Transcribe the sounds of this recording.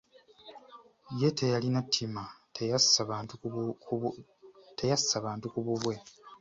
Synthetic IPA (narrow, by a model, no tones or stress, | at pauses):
je̞tʰe̞jalinatʰːima | esaaː | tejasaβaːntukuβuβwe̞